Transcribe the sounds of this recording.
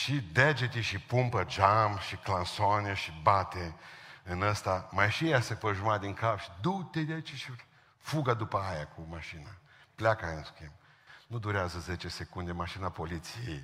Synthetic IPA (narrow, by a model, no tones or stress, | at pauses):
ʃid̪ed͡ʒet̪ʲiʃipumpəd͡ʒamʃiklansaneʃibat̪eɨnəst̪amajʃijasepəʒumad̪iŋkapʃi̥d̪ut̪ed̪ʲait͡ʃiʃi | fuɡad̪upəajakʰumaʃina | pljakaajanskʲem | nud̪uɾeazəzet͡ʃesekund̪emaʃinapolit̪sijḛj